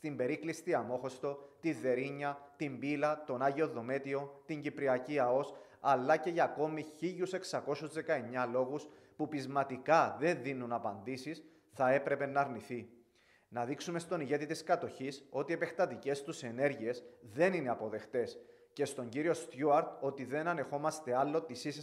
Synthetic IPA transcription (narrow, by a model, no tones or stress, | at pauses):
st̪imbe̞ɾiklist̪iɐmo̞xo̞st̪o̞t̪iðe̞ɾiɲːɐt̪imbilɐt̪o̞nɐʝio̞ðo̞me̞t̪io̞t̪iɲɟipɾiɐciɐo̞s | ɐlːɐce̞ʝɐːko̞miçiʎuse̞ksɐko̞suzðe̞kɐe̞ɲːɐlo̞ɣus | pupizmɐt̪ikɐðe̞nðinunɐpɐnd̪isis | θɐe̞pɾe̞pe̞nːɐːɾniθi | nɐðiksume̞st̪o̞niʝe̞t̪it̪iskɐt̪o̞çiso̞t̪ie̞pe̞xt̪ɐt̪ice̞st̪use̞ne̞ɾʝie̞sðe̞nine̞ɐpo̞ðe̞xt̪e̞s | ce̞st̪o̞ɲɟiɾio̞st̪juɐɾt̪o̞t̪iðe̞nɐne̞xo̞mɐst̪e̞ɐlːo̞t̪isis